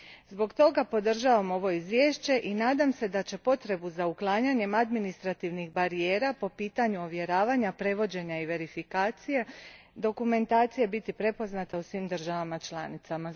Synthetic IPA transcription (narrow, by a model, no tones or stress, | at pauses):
zbo̞ɡt̪o̞ɡapo̞d̪r̩ʒaːʋamo̞ʋo̞izʋje̞ːʃt͡ɕe̞ʔinaːd̪amse̞d̪at͡ɕe̞po̞t̪ɾe̞buzauklˠaːɲaɲe̞mad̪minist̪ɾat̪iʋnixbaɾijeːɾapo̞piːt̪aɲuo̞ʋje̞ɾaːʋaɲapɾe̞ʋo̞d͡ʑe̞ɲaiʋe̞ɾifikaːt̪sije̞ | d̪o̞kume̞nt̪aːt̪sije̞bit̪ipɾe̞po̞znat̪ausʋiːmd̪r̩ʒaʋamat͡ʃlˠaːnit̪sama